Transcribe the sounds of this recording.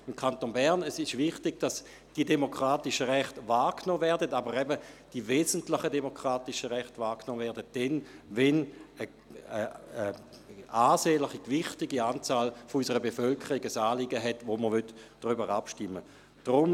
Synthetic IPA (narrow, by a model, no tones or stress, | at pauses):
imkʰantonbɛʁnɛsɪʃvɪχtɪɡ̥d̥as | d̥idemokʁaːtɪʃəʁɛχtvaːknoːvɛɐʁdətabəʁɛbəd̥iveːzəntlɪχədemokʰʁ̥aːtiʃəʁɛχtvaːknoːvɛɐdət̚d̥ɛnvɛnə | aːseːlɪχikvɪχtɪɡiaːnt͡saːlfoysəʁəbefœlkʰəʁiɡəsaːliɡəɦɛtvoməʁʋøtd̥ʁybəʁapʃtɪmːə | d̥ʁʊm